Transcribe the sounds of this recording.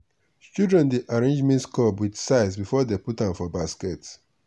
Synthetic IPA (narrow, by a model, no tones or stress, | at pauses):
st͡ʃudɹɛ̃ndeʔaɹẽnd͡ʒmɛ̃ntskɔbwidsaɪs̬bifɔdeputãnfɔbaskɛts